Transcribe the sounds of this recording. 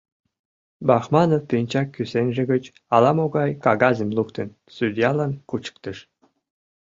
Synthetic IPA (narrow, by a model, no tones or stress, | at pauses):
bɑxmɑnoft̪inʲt͡ɕɑkːysenʒĕɣət͡ɕ | ɑlɑmoɣɑjkɑɣɑzemlukt̪ə̆n | sud̪ʲjɑlɑnkut͡ɕə̥k̚t̪ə̆ʃ